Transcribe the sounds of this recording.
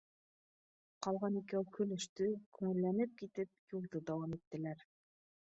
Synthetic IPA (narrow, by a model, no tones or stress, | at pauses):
qɑlˠʁɑnikɘukʰɵ̆lɵ̆ʃt̪ɵkʉŋɘ̆lːænɘp̚kit̪ɘp̚julˠd̪ɤd̪æwɑmit̪ːɘ̆læɾ